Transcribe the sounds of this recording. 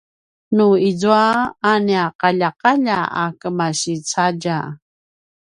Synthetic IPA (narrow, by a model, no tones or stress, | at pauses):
nuizuaːniaqaʎaqaʎaa̰kəmaɕit͡saɟa